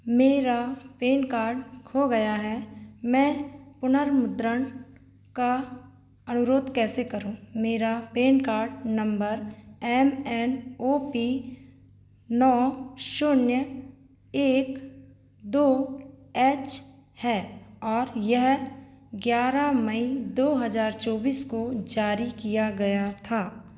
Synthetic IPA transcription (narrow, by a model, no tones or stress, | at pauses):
meːɾapeːɳkaːɾɖkʰoɡɐjaɦɛmɛ̃ːpʊnəɾmʊd̪ɾən | ka | ɐnʊɾoːd̪kɛːsekɐɾũːmeːɾapeːnkaːɾɖnɐ̃mbəɾɛːmɛːnoːpi | nɔːʃʊnjə | eːk | d̪oːɛːt͡ʃ | hɛːɔːɾjɛɦ | ɡjaːɾaməid̪oːɦəzaːɾt͡ʃɔːbiːskod͡ʒaːɾikijaɡɐjat̪ʰaː